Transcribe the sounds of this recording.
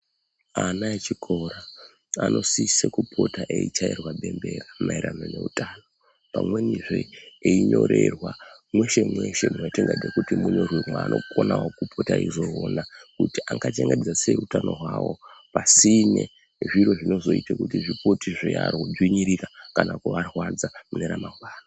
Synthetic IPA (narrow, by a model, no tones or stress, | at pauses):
anaet͡ʃikʰo̞ɾa | anʔo̞sisekupʰo̞taʔeit͡ʃairwaɓe̞mbe̞ramaiɾano̞ne̞utaːno̞ | pamwe̞niʐeeiɲo̞ɾe̞rwamwe̞ʃe̞mwe̞ʃe̞munot͡ʃeŋɡed͡zekutimuɲo̞rwimwaːnʔo̞kʰonawokupʰotaizoonakutiʔaŋɡat͡ʃe̞ŋɡed͡zaseutano̞ɦwawo̞pasine̞̰ | ʐiɾo̞ʐino̞zo̞itakutiʐipotiʐijarod͡zwiɲiɾikakanakuʋarwad͡zamuneɾamaɡwaːro